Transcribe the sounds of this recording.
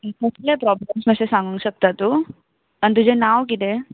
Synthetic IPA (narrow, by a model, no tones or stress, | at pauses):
ikəslepɾɔblamsməɕesãŋɡũŋɕək̚t̪at̪u | ant̪̬ud͡ʑenaʋk̬it̪e